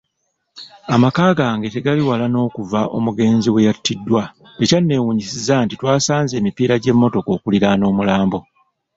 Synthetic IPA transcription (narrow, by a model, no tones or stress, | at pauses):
amakaːɡaːŋɡe̞te̞ɡaliwalano̞ːkuvaʔo̞̰muɡe̞ːnziwe̞jatːidːwa | ecanːe̞ːwuɲisizantitwaːsaːnze̞ːmipiːɾaɟe̞mːo̞to̞ko̞ːkuliɾano̞ːmulaːmbo̞